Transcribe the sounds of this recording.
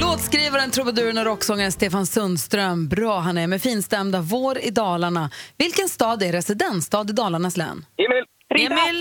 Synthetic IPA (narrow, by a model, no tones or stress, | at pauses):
loːt̪skɾiːvaɾənt̪ʰɾʊbɛd̪ʉ̟ːɾɳaɾɔksɔŋːənst̪eːfansɵnd̪st̪ɾœmbɾɑːɦanɛɾmɛfiːnst̪ɛmd̪avoːɾɪd̪ɑːlaɳavɪlkənst̪ɑːd̪ɛɾɛsɪd̪ɛnst̪ɑːd̪ɪd̪ɑːlaɳaslɛ̰ːnːɪm